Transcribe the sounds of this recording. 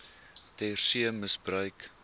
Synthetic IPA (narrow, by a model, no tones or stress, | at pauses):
tɛrsiəməsbrœɥk